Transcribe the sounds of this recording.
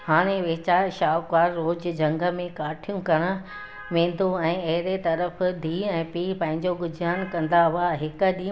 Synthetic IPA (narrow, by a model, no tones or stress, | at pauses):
haːɽ̃eʋɪɦɪt͡ɕaːɾʃaːʋkʋaːɾːoːd͡ʑd͡ʑʱɐ̃ŋɡə̆mẽkaːʈʰijũkɐɽ̃ə̆ | ʋẽːn̆d̪ʱoɛ̃ːɐɦɪɾet̪ɐɾəfd̪ʱiːɛ̃ːpiːpɐ̃ɦɪ̃ɲd͡ʑoɡʊd͡ʑʱaːnkɐ̃nd̪aʋʊaɦɪkɗiː